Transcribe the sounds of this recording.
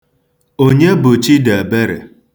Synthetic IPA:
o˦ɲe˦bʊ˨t͡ʃi˦de˨be˦ɾḛ˨

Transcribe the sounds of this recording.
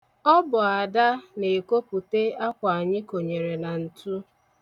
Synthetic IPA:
ɔ˦bʊ˨a˨da˦ne˨ko˦pu˨te˦a˦kʷa˨a˨ɲɪ˦ko˨ɲe˨ɾe˨na˨n̩˨tu˦

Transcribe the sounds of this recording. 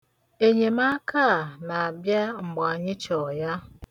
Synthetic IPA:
e˨ɲe˨ma˦kʰa˦˨na˨a˨bja˦ŋ͡m̩˨ɡ͡ba˨a˨ɲɪ˦t͡ʃɔ˨ja˦

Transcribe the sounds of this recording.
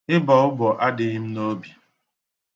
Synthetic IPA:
ɪ˦bɔ˨ʊ˦bɔ˨ʔa˦dɪ˨ɣi˦m̩˦no˦bi˨

